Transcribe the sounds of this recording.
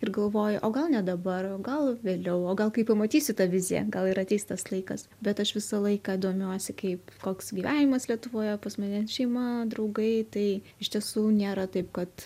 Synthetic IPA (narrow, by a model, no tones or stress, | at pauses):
ɪrɡɐlˠʋoːjʊʔoːɡɐlˠnʲɛd̪ɐbɐroːɡɐlˠʋʲeːlʲɛʊoːɡɐlˠkɐɪpɐmɐt̪ʲiːsʲʊt̪ɐʋʲɪzʲɪjɛ̰ɡɐlˠɪɾɐtʲɛɪsʲɪt̪ɐslˠɐɪkɐs | bʲɛt̪ɐʃʋʲɪsɐlˠɐɪkɑid̪oːmʲuɔsʲɪkɐɪpkoːksɡʲiːʋʲæːnʲɪmɐslʲiɛt̪ʊʋoːjɛpɐsmɐnʲɛʃʲɛɪmɐd̪ɾɐʊɡɐɪt̪ɐɪ | ɪʃt̪ʲiɛsuːnʲeːɾɐt̪ɐɪpkɐt̪